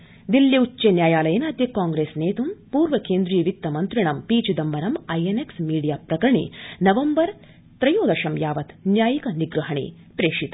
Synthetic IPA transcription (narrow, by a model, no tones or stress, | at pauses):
d̪iljiutːt͡ʃenjaːjaːlɐjɐnaːd̪jɐkːaːŋɡɾeːsneːt̪umpuːɾʋɐkeːnd̪ɾijɐʋik̚t̪ːɐmɐnt̪ɾiɳɐmpiːt͡ʃud̪ɐmːɐɾɐmajeneksmiːɽijaːpɾɐkɾɐɳḭnɐʋɐmbɐɾ | t̪ɾɐjoːd̪ɐʃɐmjaːʋɐt̪njaːjikɐniɡɾuɦɐɳḭː | pɾeːʂit̪